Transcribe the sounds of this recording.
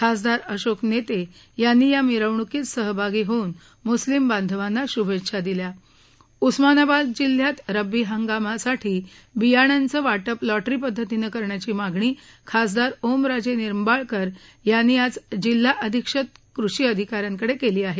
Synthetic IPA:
kʰas̬d̪aɾəɕoknet̪e | janːiːjamiɾəʋɳukiːt͡ssəɦbʱaɡiːɦoun | muslimband̪ʱəʋanːaɕubʱetːɕʰad̪ilja | usmanabad̪d͡ʑil̤ːjat̪ɾəbiɦəŋɡamasaʈʰiː | bijaɳ̃ant͡səʋaʈəplɔʈɾipəd̪ʱːət̪inekəɾɳjat͡ɕiːmaɡʱɳ̃iːkʰasd̪aɾomɾad͡ʑeniɾmbaɭkəɾjanːiːat͡sd͡ʑil̤ːaʔəd̪ʱikʂət̪̚kɾuɕiəd̪ʱikaɾjaŋkəɽekeliːaɦe

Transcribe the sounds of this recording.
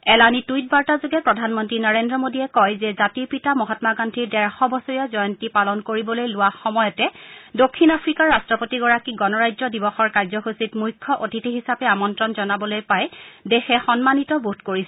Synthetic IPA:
ɛlanitujt̚baɹtazoɡɛpɹɔdʱanmɔntɹinɔɹendɹɔmodiɛkɔjzɛzatiɹpitamɔɦɔtmaɡandʱiɹdɛɹxɔbɔsoɹijazɔjɔntipalɔnkoɹibɔlojlʊwaxɔmɔjɔtɛdokʰːinapʰɹikaɹːastɹɔpotiɡɔɹakiɡɔnɔɹajzɔdibɔxɔɹkaɹzɔxusitmujkʰːɔʔotitiɦisapɛamɔntɹɔnzɔnabɔlojpajdexɛxɔnmanitɔbutkoɹisɛ

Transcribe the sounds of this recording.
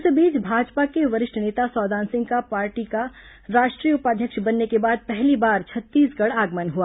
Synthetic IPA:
ʊsebiːt͡ʃbʱaːd͡ʒpakeʋɐɾɪʃʈʰneːt̪asɔːd̪ãːnsɪ̃ŋɡkapaːɾʈika | ɾaːʃʈɾiːəʊpaːd̪ʱjəkʃbɐnːekebaːd̪̚pɛɦlibaːɾt͡ʃʰɐt̪ːiːsɡɐɽaːɡmənɦuaː

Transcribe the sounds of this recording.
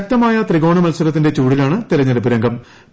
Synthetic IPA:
k̚t̪ɐmaːjɐt̪riɣo̞ːɳɐmɐlsɐɾɐt̪̬ːinde̞t͡ɕuːɽilaːɳɨt̪ilɐɲːɐɽupːiɾɐŋɡɐm

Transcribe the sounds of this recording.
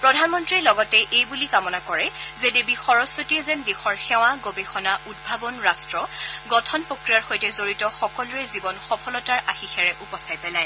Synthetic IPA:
pɹɔdʱanmɔntɹilɔɡɔtɛʔejbulikamɔnakɔɹɛzedebixɔɹɔsotiɛzɛndexɔɹxɛw̃aɡobexɔnaʔud̚bʱabɔnɹastɹɔɡɔtʰɔnpɹokɹijaɹxojtɛzoɹitɔxɔkɔluɹɛzibɔnxɔpʰɔlɔtaɹʔaxixʰɛɹɛʔupɔsajpɛlaj

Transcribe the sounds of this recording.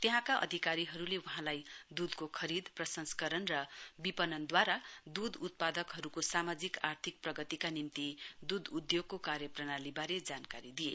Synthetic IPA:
t̪eɦãkaʔʌ̰d̪ʱikaɾiɦʌɾulewuɦãlajd̪ud̪kokʰʌɾid̪prʌsʌnskʌɾʌnrʌbipʌnʌnd̪waɾad̪ud̪ut̪̚pad̪ʌkɦʌɾukosamad͡zikart̪ʰik̚prʌɡʌt̪ikanimt̪id̪ud̪ud̪joɡ̚kokaɾjʌprʌnalibaɾed͡zankaɾid̪ije

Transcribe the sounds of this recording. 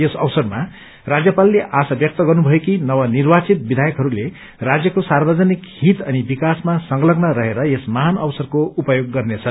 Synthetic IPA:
jesʌwsʌrma | rad͡zjʌpalːeʔasabjʌk̚t̪ʌɡʌrnubʱʌekinʌwʌnirbat͡sit̪̚bid̪ʱajʌkɦʌɾule | rad͡zjʌkosarbʌd͡zʌnikhɦit̪ʌnibikasmasʌŋɡlʌɡnʌɾʌɦeɾʌjesmaɦanʌwsʌrkoupʌjoɡːʌrnet͡sʰʌ

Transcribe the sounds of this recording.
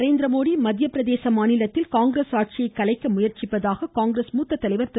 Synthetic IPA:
ɾeːnd̪ɾɐmoːɽimɐd̪jɐpɪɾɐðeːsɐmaːnɪlɐt̪ːɪlkaːŋɡɾeːsaːʈ̚t͡ʃɪjɐɪkːɐlɐɪkːɯmʊjɐɾt͡ʃɪpːɐðaːɣɐkaːŋɡɾeːsmuːt̪ːɐt̪ːɐlɐɪʋɐɾt̪ɪ

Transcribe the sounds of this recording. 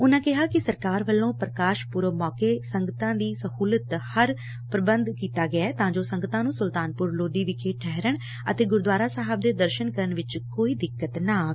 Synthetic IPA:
ʊnãːkɪɦaːkɪsəɾkaːɾʋəlːõːpɾəkaːʃpʊɾmɔːkeːsəŋɡət̪ãːd̪iːsəhuːlət̪həɾ | pɾəbənd̪kiːt̪aːɡɪaɛːt̪ãːd͡ʒoːsəŋɡət̪ãːnũːsʊlt̪aːnpʊɾloːd̪iːʋɪkʰeːʈʰɛɦɾəɳ | ət̪eːɡʊɾd̪ʋaːɾaːsaːɦəb̚d̪eːd̪əɾʃənkəɾəɳʋɪt͡ʃkoːiːd̪ɪkːət̪naː

